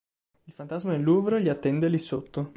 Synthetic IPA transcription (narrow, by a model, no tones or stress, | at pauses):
ilfant̪azmaelːuvɾoʎiat̪ːɛnd̪elisot̪ːo